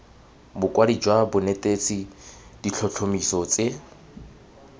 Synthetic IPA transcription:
bʊkʼwadid͡ʒwabʊnetʼet͡sʼid̥iɬʰɔɬʰomisɔt͡sʼɪ

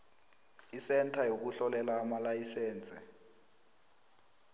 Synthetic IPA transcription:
isɛntʰʼajok̬uɬɔlɛlaːmalajisɛːnt͡sʼɛ

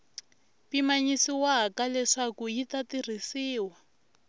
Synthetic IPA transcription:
pimaɲisiwaɦakalɛʂakujitatir̤isiːwa

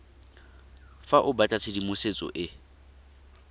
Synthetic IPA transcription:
faʔʊbatʼat͡sʰɪdimʊset͡sʼɔ̰ʔɪ

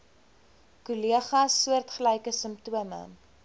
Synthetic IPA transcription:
kuliəχɐsːuərtχələjkəsəmp̚tuəmə̰

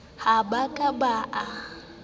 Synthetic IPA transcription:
habakʼabaʔa

